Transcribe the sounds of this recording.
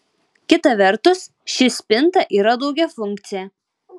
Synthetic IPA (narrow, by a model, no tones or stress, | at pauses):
kʲɪt̪ɐʋʲɛɾt̪ʊs | ʃʲɪsʲpʲɪnˑt̪ɐʔiːɾɐd̪ɒʊɡʲɛfʊŋʲk̚t̪sʲɪjɛ